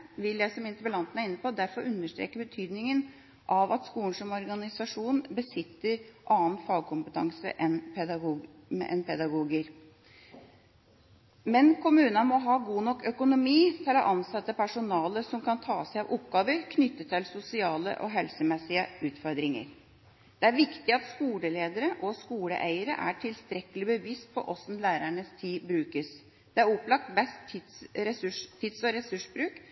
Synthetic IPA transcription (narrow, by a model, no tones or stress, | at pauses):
ʋɪljæɪsɔmɪnt̪əbəlɑnt̪ənæɾɪnːəpɔd̪æɾfɔɾʉnːəʂʈ̪ɾḛːkəbət̪ʰyːd̪nɪŋən | ʔɑʋɑt̪skuːnsɔmɔɾɡɑnɪsɑʂuːnbəsɪt̪ːəɾʔɑːnfɑːɡ̚kʰʊmpət̪ʰɑ̰ŋsə̰ʔɛnpɛd̪ɑ | mɛ̰ʔɛnpʰɛd̪ɑɡuːɡəɾ | mɛnkʰʊmʉːnɑmɔɦɑːɡuːnɔkːœkʊnʊmiːt̪ʰɪlɔʔɑnsɑt̪ːəpʰæʂʊnɑːləsɔmkʰɑnt̪ʰɑ̰ːsæɪɑʋʔʊpːɡɑːʋəɾkʰnʏt̪ːət̪ʰːɪlsʊsɪɑːlə̰ʔɔ̰ɦɛlsəmɛsɪəʉːt̪fɔɾd̪ɾɪŋə̰ɾ | d̪̥ɛæɾʋɪkt̪ɪɑt̪skuːləleːd̪əɾəʔɔskuːlə̰ʔæɪəɾə̰ʔæ̰ʈʰɪlst̪ɾɛkəlɪbəʋiːst̪̚pʰɔ̰ʔɔsn̩læːɾæɳəst̪ʰiːbɾʉːkəs | d̪̥ɛæɾʊplɑk̚t̪bɛst̪ɛsʉʂt̪ʰɪd̪sɔɾɛsʉʂbɾʉːk